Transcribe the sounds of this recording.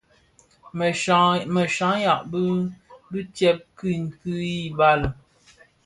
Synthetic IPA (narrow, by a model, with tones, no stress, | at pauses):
mə˨ʃa˨˦ja˨ʔbə˦bʉ˦t͡ʃjɛ˦p̚kʉ˦ŋ̩˨kʉ˦i˦ba˦lə˨